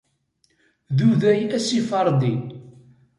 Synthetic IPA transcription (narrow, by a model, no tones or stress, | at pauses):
ðuðæjæsifɑɾˤd̪i